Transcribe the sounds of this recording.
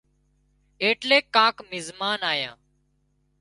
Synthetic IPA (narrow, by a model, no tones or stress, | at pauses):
eːʈleːkːãːkmɪzmaːnaːjãː